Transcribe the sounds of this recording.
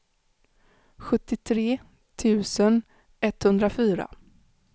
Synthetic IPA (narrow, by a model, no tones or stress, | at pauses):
ɧɵt̪ːɪt̪ʰɾeː | t̪ʰʉ̟ːsən | ɛt̪hɵnd̪ɾafyːɾa̰